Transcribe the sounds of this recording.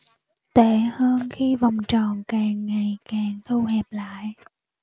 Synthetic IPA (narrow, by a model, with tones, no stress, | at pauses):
t̪e˧˩˦həː˧nxi˧va˨˩wŋ͡mt͡ɕɔ˨˩˨nkaː˨˩ŋːa˨˩jkaː˨˩ŋt̪ʰu˧whɛ˨˩p̚la̰ː˧˨j